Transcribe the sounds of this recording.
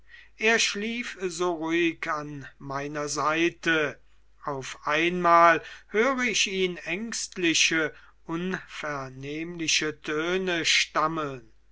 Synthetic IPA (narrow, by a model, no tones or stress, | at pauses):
ʔeːɐʃliːfzoːʁuɪkanmaɪnɐzaɪtə | ʔaʊfʔaɪnmaːlhøːʁəɪʃiːnɛŋkstlɪʃə | ʔʊnfɛɐneːmlɪʃətʰøːnəʃtaməln